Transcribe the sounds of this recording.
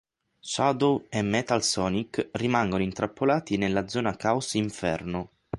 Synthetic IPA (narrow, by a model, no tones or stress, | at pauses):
sad̪oemːɛt̪alsɔːnikrimaŋɡonoint̪ɾapʰːolaːt̪inelːad̪zːɔːnakawsiɱfɛ̰rno